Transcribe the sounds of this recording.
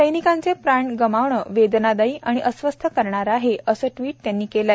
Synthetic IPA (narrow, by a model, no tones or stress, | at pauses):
səjnikãnt͡sepɾaɳɡəmaʋɳəːʋed̪nad̪aiːʔaɽ̃iʔəsʋəst̪ʰəkəɾɳaɾaɦeəsəːʈʋiːʈ̚t̪janːiːkela